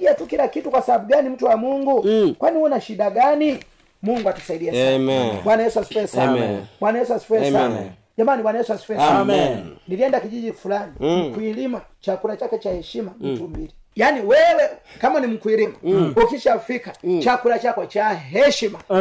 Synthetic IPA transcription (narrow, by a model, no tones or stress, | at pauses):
iatukilakitukwasababuɡanim̩tuwamuŋɡukwaniwɔnaʃidaɡani | muŋɡuatusaidiasabwanajɛswasi̥fɛsabwanajɛsuasi̥fɛsana | d͡ʒamaniwanajɛsuasi̥fɛsamniliɛndakid͡ʒiɟifulanimkwilimat͡ʃakulat͡ʃakɛt͡ʃahɛʃimam̩tumbili | janiwɛwɛkamanimukwilimaukiʃafikat͡ʃakulat͡ʃakɔt͡ʃaɦɛʃima